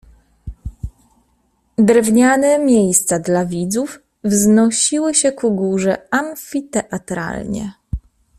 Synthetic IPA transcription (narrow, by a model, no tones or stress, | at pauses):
d̪ɾɛvɲanɛmʲjejst̪sad̪lavʲid̪zuf | vznɔɕiwɘɕɛkuɡuʐɛamfʲit̪ɛʔat̪ɾa̰lɲɛ̰